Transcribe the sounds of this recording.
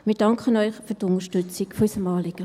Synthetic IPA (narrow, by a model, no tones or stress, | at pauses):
mɪɾd̥ɑŋkʰənœʏχfytʊnəʃtʉt͡sikfysəmɑːlɪɡ̥ə